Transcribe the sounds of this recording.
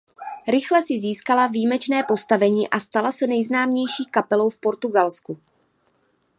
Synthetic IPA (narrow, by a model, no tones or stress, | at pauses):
ɾɪxlɛsɪziːskalaviːmɛt͡ʃnɛːpo̞st̪avɛɲiːʔast̪alasɛnɛjznaːmɲɛjʃiːkapɛlo̞wfpo̞ɾt̪uɡalsku